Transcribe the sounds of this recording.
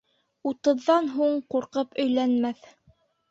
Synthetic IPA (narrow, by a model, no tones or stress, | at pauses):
ut̪ɤ̆ðːɑnɦuɴquɾqɤpɵ̆jlænmæθ